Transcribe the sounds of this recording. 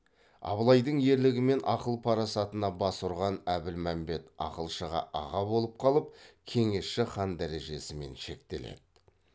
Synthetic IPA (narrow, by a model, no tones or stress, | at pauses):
ɑ̰bəlˠɑjd̪əɴje̞ɾlɪɡʲɪme̞nʔɑqəlˠpʰɑɾɑsɑt̪ənɑbɑsuɾʁɑnæbɪlmæmbe̞t̪ɑ̰qəlˠʃəʁɑ̰ʔɑ̰ʁɑbo̞lˠəp̚qʰɑlˠəp̚kʲʰe̞ŋe̞sʃɪχɑnd̪æɾe̞ʒe̞sɪme̞̰nʃe̞k̚t̪e̞̰le̞̰d̪̥ɪ